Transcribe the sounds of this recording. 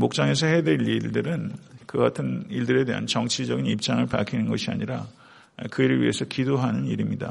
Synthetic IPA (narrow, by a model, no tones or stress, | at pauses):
mok̚t͡ɕ͈aŋe̞s̬ʰʌɦe̞deʎiɭdɯɾɯnkɯɡatʰɯniɭdɯɾe̞de̞ɦa̰nt͡ɕʌŋt͡ɕʰid͡ʑʌɡinip̚t͡ɕ͈aŋɯɭpa̰ɭkʰinɯnɡʌɕʰia̰ɲiɾa | kɯiɾɯɭɥḭɦe̞sʰʌkidoɦanɯniɾimɲida̰